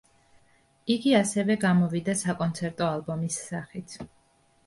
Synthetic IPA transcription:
iɡiasɛvɛɡamɔvid̪asakʼɔnt̪sʰɛɾt̪ʼɔalˠbɔmisːaχit̪ʰ

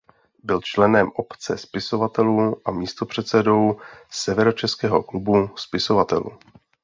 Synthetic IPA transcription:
bɪlt͡ʃlɛnɛmʔo̞pt͡sɛ̰spɪso̞vat̪ɛluːʔamiːst̪o̞pr̝̥ɛt̪sɛdo̞wsɛvɛɾo̞t͡ʃɛskɛːɦo̞klubuspɪso̞vat̪ɛ̰lṵː

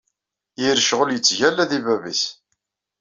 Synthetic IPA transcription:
jiɾʃʁəljət͡sːʝælːæðivævis

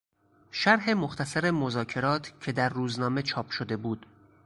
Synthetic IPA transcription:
ʃæɾɦe̞moxt̪ʰæsæɾemo̞zɒːcʰe̞ɾɒːt̪ʰcʰe̞d̪æɾːuːznɒːme̞t͡ʃʰɒːpʰʃod̪e̞buːd̪̥

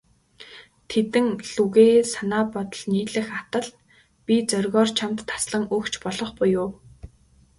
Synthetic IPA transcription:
t̪ʰet̪ɘ̆ŋɮuɣeːsanaːpɔt̪ɞ̆ɮniːɮɘ̆xat̪ə̆ɮ | pʲit͡sœrɣɔːrt͡ɕʰamt̪ːḁsɮə̆ŋɵkt͡ɕʰpɔɮɞ̆χpʊjʊː

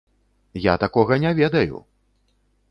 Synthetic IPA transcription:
ja̰t̪akɔɣɐnʲɛvʲɛd̪ɐjṵ

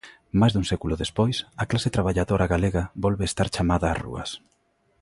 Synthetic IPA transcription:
majzðuŋsekulʊðespojsɐklaset̪ɾaβ̞aʎaðoɾaɣaleɣabolβeːst̪aɾt͡ʃamaðaːrṵɐ̰s

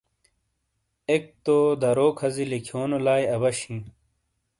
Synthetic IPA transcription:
ek̚t̪oːd̪ɐɾoːkʰɐzilikʰjoːnolaːjɐbɐɕĩ

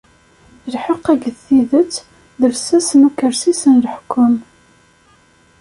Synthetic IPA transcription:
lħəqːæɡəðθiðət͡sː | ðəvsæsənukːəɾsisənləħkːʊm

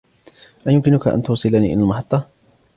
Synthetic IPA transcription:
ʔajʊmkɪnʊkaʔa̰nt̪ʊwsˤɨlaːniːʔɪ̰lalmaħɑt̪ˤːɑ

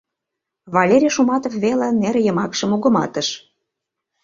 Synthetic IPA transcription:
βɑlʲeɾʲiʃumɑt̪ofβelĕneɾjə̆mɑkʃə̆muɣə̆mɑ̰t̪ə̆ʃ

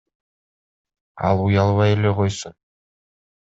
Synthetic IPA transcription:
ɑ̰lˠujɑlˠβɑjeleqo̞jsun

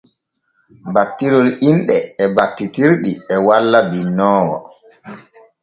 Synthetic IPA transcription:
batːiɾɔlinɗɛːbatːitiɾɗiɛwalːabinːɔːwɔ̰

